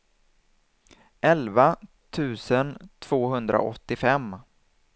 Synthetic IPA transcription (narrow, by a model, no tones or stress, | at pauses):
ʔɛlva | t̪ʰʉ̟ːsənt̪ʰv̥oːɦɵnd̪ɾa̰ʔɔt̪ːɪfɛmː